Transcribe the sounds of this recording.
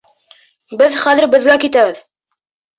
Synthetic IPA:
bɘðχæðɘɾbɘ̆ðɡækit̪æβɘð

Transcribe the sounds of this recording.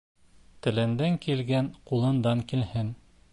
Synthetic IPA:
t̪ɘ̆lɘ̆nd̪æŋkilɡænqulˠɤ̆nd̪ɑŋkilhɘn

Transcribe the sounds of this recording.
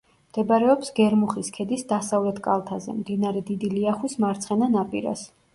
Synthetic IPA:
md̪̥ɛbaɾɛɔpsɡɛɾmuχiskʰɛd̪isd̪asavlɛt̪ʰkʼa̰lˠt̪ʰazɛ̰md̪inaɾɛd̪id̪iliaχwismaɾt̪sʰχɛnanapʼiɾa̰s

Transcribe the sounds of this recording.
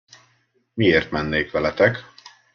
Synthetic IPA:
mieːrt̪mɛnːeːkʋɛlɛt̪ɛk

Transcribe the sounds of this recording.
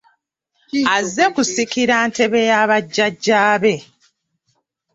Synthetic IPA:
azːe̞kusikiɾante̞βe̞jaβaɟːaɟːaːβe̞

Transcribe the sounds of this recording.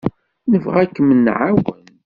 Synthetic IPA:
nəvʁækːəmənːʕawən

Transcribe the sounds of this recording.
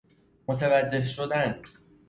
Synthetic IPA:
mot̪ʰevæd͡ʒːe̞hʃod̪æn

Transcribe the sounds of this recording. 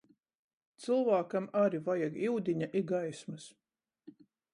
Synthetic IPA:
t̪sɨlˠvaːkamaɾivajaɡiwd̪ʲiɲaʔiɡajsmɨs

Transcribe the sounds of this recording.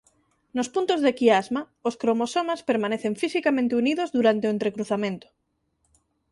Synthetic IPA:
nospunt̪ozðekiazma | oskɾomosomaspeɾmaneθeɱfisikamẽnt̪euniðozðuɾant̪eoent̪ɾekɾuθamẽnt̪o̥

